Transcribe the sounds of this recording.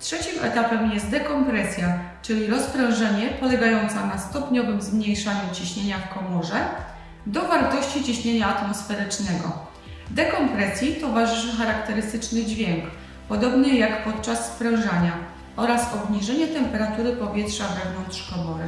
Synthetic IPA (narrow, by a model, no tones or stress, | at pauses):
tʂɛt͡ɕimɛ̰t̪apɛmjɛst̪̚d̪ɛkɔmpɾɛsʲja | t͡ʂɘlʲiɾɔspɾɔ̃w̃ʐɛɲɛpɔlɛɡajɔnt̪sanast̪ɔpɲɔvɘmzmɲejʂaɲut͡ɕiɕɲeɲafkɔmɔʐɛ | d̪ɔvaɾt̪ɔɕt͡ɕit͡ɕiɕɲeɲaːt̪mɔsfɛɾɘt͡ʂnɛɡɔ̰ | d̪ɛkɔmpɾɛsʲjit̪ɔvaʐɘʂɘxaɾakt̪ɛɾɘst̪ɘt͡ʂnɘd͡ʑvʲjɛŋk | pɔd̪ɔbnɘjakpɔt̪̚t͡ʂasːpɾɔw̃ʐaɲa | ʔɔɾasɔbɲiʐɛɲɛt̪ɛmpɛɾat̪uɾɘpɔvʲjɛtʂavɛvnɔnt̪ʂkɔmɔɾɘ